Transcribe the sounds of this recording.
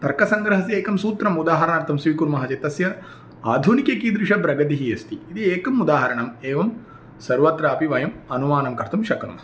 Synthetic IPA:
t̪ɐɾkɐsɐŋɡɾɐɦɐsieːkɐmsuːt̪ɾɐmud̪aːɦɐɾɐɳaːɾt̪ʰɐmsʋiːkuɾmɐɦɐt͡ʃɐt̪ɐsjɐ | aːd̪ʱunikekiːd̪ɾiʂɐbɾɐɡɐt̪iɦiest̪iːt̪ieːkɐmud̪aːɦɐɾɐɳɐmeːʋɐm | sɐɾʋɐt̪ɾaːpiʋɐjɐmɐnumaːnɐmkɐɾt̪ʰumʃɐkɳṵmɐ

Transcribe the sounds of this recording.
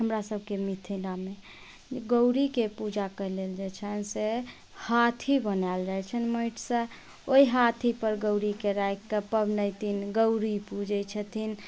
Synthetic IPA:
ɦəmɾasəb̚ʱkemit̪ʰiname | ɡəwɾikepud͡ʒakəleld͡ʒet͡ʃʰənse | hat̪ʰibənald͡ʒaɦɛt͡ʃʰənməiʈsə | oiɦat̪ʰipəɾɡəwɾikeɾajkːəpəbnəjt̪ʰinɡəʊɾipud͡ʒət͡ʃʰət̪ʰin

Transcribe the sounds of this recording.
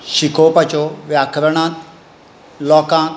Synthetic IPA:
ʃikoːpɐt͡ɕoːʋjaːkʰɾəɽ̃ãːt̪ | lɔːkãː

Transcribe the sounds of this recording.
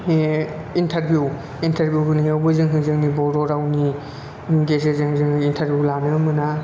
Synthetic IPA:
intʰɐɾbʱju | intʰɐɾbʱjuɦɯniawbɯzɯŋɦɯŋzɯŋnibɔɾɔɾawni | ɡezezɯŋzɯŋintʰɐɾbʱjulanɯmɯna

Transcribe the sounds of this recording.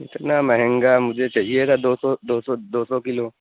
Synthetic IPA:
ɪt̪namɐɦɛ̃ŋɡamʊd͡ʒʱet͡ʃaɦiet̪ʰad̪osɔd̪oːsɔd̪oːsɔkɪlo

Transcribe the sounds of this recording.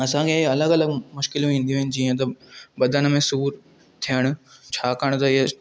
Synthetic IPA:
ɐsãkʰeɐləɡɐləɡmʊʃkɪlũĩːn̆d̪ijũɦɪnɪ̆d͡ʑiːə̃t̪ɐbɐd̪ʱənmẽsuːɾ | t̪ʰijəɽ̃ʊ̆t͡ɕʰaːkəɽ̃t̪ɐɪɦe

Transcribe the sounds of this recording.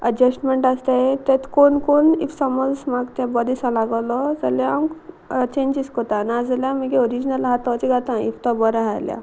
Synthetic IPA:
ə̰d͡ʑəsʈmeɳʈast̪aet̪ɛt̪konkonḭfsɔməlsmaɡt̪ɛ̃bɔd̪isãlaɡalɔd͡zəlaamk | t͡ɕẽɲd͡ʑiskɔt̪anad͡zaljaməkeɔɾid͡ʑnəlɦat̪ɔt͡ɕiɡʱat̪ãḭft̪ɔbɔɾaɦajlja̰

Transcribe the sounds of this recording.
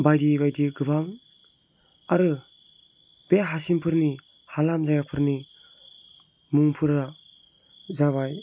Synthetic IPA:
bajdibajdiɡɯbaŋ | aɾɯ | beɦasimpʰɯɾni | halamzajapʰɯɾni | muŋpʰɯɾa | zaβaj

